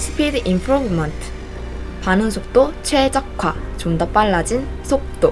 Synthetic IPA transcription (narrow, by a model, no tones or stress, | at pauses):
si̥pʰidʔimpʰɾubmʌntʰ | panɯnsʰok̚t͈ot͡ɕʰwed͡ʑʌk̚kʰwat͡ɕomdʌp͈aɭːad͡ʑinsʰok̚t͈o